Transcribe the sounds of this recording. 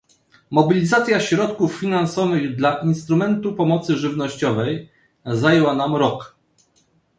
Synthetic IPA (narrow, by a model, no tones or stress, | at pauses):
mɔbʲilʲizat̪sʲjaɕɾɔt̪kufːʲinansɔvɘɣd̪laʔinst̪ɾumɛnt̪upɔmɔt̪sɘʐɘvnɔɕt͡ɕɔvɛj | zajɛwanamɾɔk